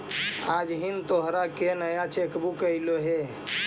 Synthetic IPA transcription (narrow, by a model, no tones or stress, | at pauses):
ad͡ʒɦint̪oɦɾakenəjat͡ʃekbukəjloɦe